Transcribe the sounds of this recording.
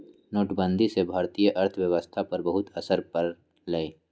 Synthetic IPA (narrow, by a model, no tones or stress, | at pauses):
noːʈbə̃nd̪ʱisebʱaːɾt̪ijəʔɐɾt̪ʰəwjəʋəst̪ʰapɐɾbɐɦʊt̪ɐsəɾpɐɾ | lɐeː